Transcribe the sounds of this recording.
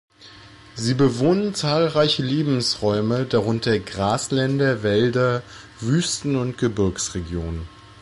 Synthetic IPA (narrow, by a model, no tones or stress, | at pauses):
ziːbəvoːnənt͡saːlʁaɪçəleːbm̩sʁɔʏmədaʁʊntʰɐɡʁaːslɛndɐvɛldɐ | vyːstn̩ʊntɡ̥əbɪɐksʁeɡjoːnən